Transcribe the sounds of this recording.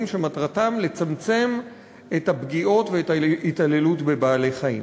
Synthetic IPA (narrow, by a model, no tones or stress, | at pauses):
mʃematʁatamle̞t͡samt͡se̞m | ethabɡio̞tveetaitale̞lutbebaːle̞jχaḭm